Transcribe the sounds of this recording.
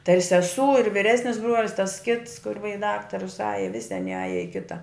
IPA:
tɐɪ ɪr sʲɛˈsuː ɪr ʋʲɪˈrʲæːsʲnʲɪs ˈbruɔlʲɪs tɐs kʲɪts kʊr ʋɐ ɪ ˈdɑːktɐrʊs ˈɑːjɛ ˈʋʲɪsʲɪ ɐˈnʲɪ ˈɑːjɛ ɪ ˈkʲɪtɐ

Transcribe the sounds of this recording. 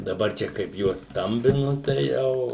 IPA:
dɐˈbɐr ˈt͡ʃʲɛ kɐɪp ˈjuɔs ˈstɐmʲbʲɪnʊ tɐɪ ˈjɛʊ

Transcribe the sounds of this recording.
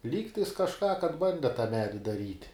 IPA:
ˈlʲiːktɐɪs kɐʃˈkɑː kɐt ˈbɐnʲdʲɛ tɐ ˈmʲæːdʲɪ dɐˈrʲiːtʲ

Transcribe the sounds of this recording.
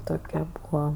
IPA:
ˈtoːkʲɛ ˈbuːɐ

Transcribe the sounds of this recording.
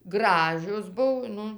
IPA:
ˈɡrɑːʒʲoːs ˈbʊw ˈnʊ

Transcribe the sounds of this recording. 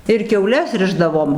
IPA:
ɪr kʲɛʊˈlʲɛs ˈrʲɪʒdɐʋoːm

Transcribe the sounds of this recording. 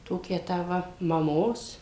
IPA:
ˈtoːkʲæː tɑː ˈʋɐ mɐˈmoːs

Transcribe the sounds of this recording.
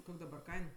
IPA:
ˈkoːkʲ dɐˈbɐr ˈkɐɪn

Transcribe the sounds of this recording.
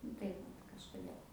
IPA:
ˈnʊ tɐɪ ʋɐt kɐʃkʊˈdʲeːlˠ

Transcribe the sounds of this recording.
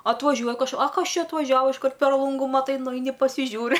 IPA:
ɐtʋɐˈʒʲuɔj kɐʃ ɐ ˈkɐs ˈt͡ʃʲɛ ɐtʋɐˈʒʲæːʋɐ ɪʃˈkɐrt pʲɛr ˈlˠʊŋɡʊ mɐˈtɐɪ nʊˈɛɪnʲɪ pɐsʲɪˈʒʲuːrʲɪ

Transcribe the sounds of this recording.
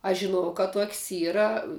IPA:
ɐʃ ʒʲɪˈnuɔjɛʊ kɐ ˈtoːkʲsʲ ˈiːrɐ

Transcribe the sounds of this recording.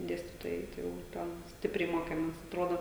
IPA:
ˈdʲeːsʲtʲiːtoːjɛɪ ˈtɐɪ jɛʊ ˈtʲɛn ˈsʲtʲɪpʲrʲɛɪ ˈmoːkʲɛmʲeːs ɐtˈroːdoː

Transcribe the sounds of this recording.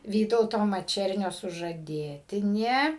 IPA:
ˈʋʲiːtɐʊtoː mɐˈt͡ʃʲɛrʲnʲoː sʊʒɐˈdʲeːtʲɪnʲeː

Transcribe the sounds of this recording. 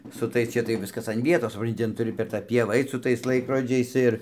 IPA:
sʊ ˈtɐɪs ˈt͡ʃʲɛ tɐɪ ˈʋʲɪskɐs ɐn ˈʋʲiɛtoːs sʊˈprɐnʲtʲɪ ˈtʲɛn tʊˈrʲɪ pʲɛr tɑː ˈpʲiɛʋɑː ˈɐɪt sʊ ˈtɐɪs ˈlˠɐɪkroːd͡ʒʲɛɪs ˈɪr

